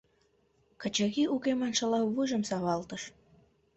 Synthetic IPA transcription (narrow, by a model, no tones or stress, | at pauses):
kət͡ɕəɣiukemɑnʃəlɑβuʒə̆msɑβɑlt̪əʃ